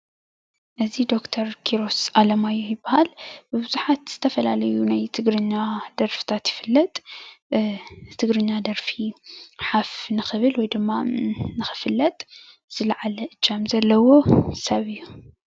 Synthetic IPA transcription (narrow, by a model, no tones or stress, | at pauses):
ʔɨzid̪o̞kt̪ʰɐɾkʰiɾo̞sʔalɐmajujɪbːahalbɨbɨzuħat̪z̥ɨt̪ʰɐfɐlalɐjunajt̪ʰɨɡɾɨɲːad̪̥ɐɾfi̥t̪ʰat̪jɪfɨlːɐt̪ʼ | t̪ʰɨɡɾɨɲːad̪ɐɾfiħafnɨxɨβɨlwɔjd̪ɨmːanɨxɨ̥fɨlːɐt̪ʼ | z̥ɨlaʕalɐʔɨt͡ʃːamzɐlːɐwo̞sɐβɨjːu